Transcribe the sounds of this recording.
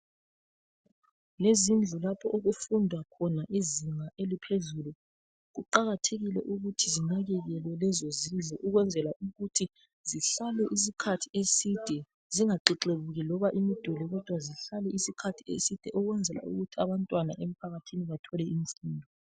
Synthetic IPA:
lezind͡ɮʱulapʰɔʔoɣufundʱwakʰɔnaʔiziŋaʔelipʰezulu | ɣuǃaɣatʰeɣilɛ̰ʔuɣutʰizinaɣɛɣɛlwɛlɛzozind͡ɮʱuʔuɣwɛnd͡zʱɛlaʔuɣutʰi | ziɬalɛʔis̬ikʰatʰiesid̥ʱɛ | ziŋaǃiǃeβuɣɛlɔβaʔimid̥ʱulɛɣɔd̥ʱwaziɬalɛʔisikʰatʰiḛsid̥ʱɛʔɔɣwɛnd͡zʱɛla̰ṵɣutʰiaβantʼwanaʔem̩pʰaɣatʰiniβatʰɔlɛimifuːndʱɔ

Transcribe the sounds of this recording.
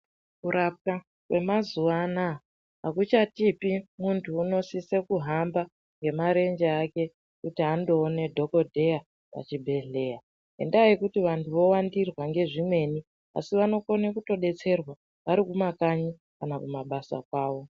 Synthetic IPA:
kuɾap̚ka | kwe̞mazuʋana | ɦakut͡ʃatipimuntʰuːno̞sisekuɦamba | ŋɡe̞maɾe̞nd͡ʒeake̞ | kutiɦando̞ːne̞dʱo̞ko̞dʱe̞ja | pa̰t͡ʃibʱe̞ɮe̞ːja | ɦe̞̰ndaikutiʋantʰuʋo̞wandirwaŋɡe̞ʐimwe̞ni | a̰siʋano̞ko̞nekuto̞ɗe̞t͡se̞rwa | ʋaɾikumakaɲi | kanakumaɓasa̰kwaːʋo̞

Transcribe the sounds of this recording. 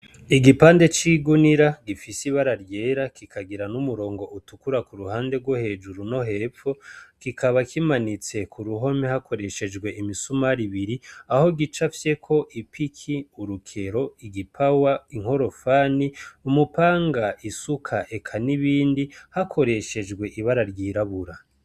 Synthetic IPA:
iɡipaːnde̞t͡ʃiɡuniɾaɡifisiβaɾaɾje̞ːɾakikʰaɡiɾanumuɾo̞ːŋɡo̞ʔutukuɾakuɾuhaːnde̞ɡwohe̞d͡ʒuɾuno̞ɦe̞ːfo̞kikʰaβakʰimanit͡se̞kʰuɾuɦo̞mehakʰo̞ɾe̞ʃe̞d͡ʒɡwe̞ʔimisumaɾiβiɾiaho̞ɡit͡ʃafje̞kʰo̞ʔipʰikʰiuɾukʰe̞ɾo̞iɡipʰawaiŋ̥ho̞ɾo̞faːniumupaːŋɡaisukʰaʔekʰaniβiːndihakʰo̞ɾe̞ʃe̞d͡ʒɡwe̞ʔiβaɾaɾjiːɾaβuɾa

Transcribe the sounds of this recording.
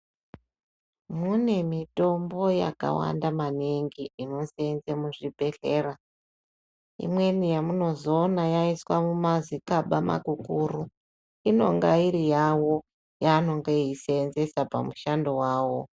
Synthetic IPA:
mune̞mito̞mbo̞ja̰ka̰wa̰ndamaneŋɡiino̞senzemuʐibʱe̞ɬeːra | ḭmwe̞nijamuno̞zo̞ːnajaiswamumazikaɓama̰ɡukuːru | ino̞̰ŋɡaiɾijawo̞ | jano̞ŋɡeiseːnze̞sapamuʃando̞waːwo̞

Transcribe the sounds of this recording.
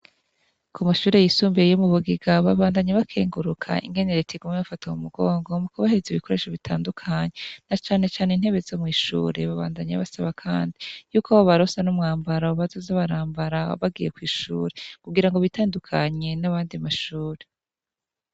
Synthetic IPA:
kʰumaʃuːɾe̞jisuːmbiejomuβuɡiɡaβaβaːndaɲaβakʰeːŋɡuɾukʰa̰ʔḭŋɡe̞neɾetʰiɡumŋeβafataumuɡo̞ːŋɡo̞mukoβaheziβikʰo̞ɾe̞ːʃoβitʰaːndukʰaɲe̞nat͡ʃaːne̞t͡ʃaːnein̥he̞βe̞zomŋiːʃṵːɾe̞βaβa̰ːndaɲaβasaβakʰaːndijuːkoβaβaɾosanumŋaːmbaɾauβazozaβaɾaːmbaɾaβaɡije̞kwiːʃṵːɾekuɡiɾaŋɡo̞βitaːndukʰaɲe̞naβaːndimaʃuːɾe̞

